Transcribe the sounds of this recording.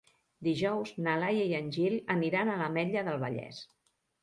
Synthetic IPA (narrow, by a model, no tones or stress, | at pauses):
d̪iʒɔwznəlajəjənʲʒiləniɾanələmɛʎəðəlˠβəʎɛ̰s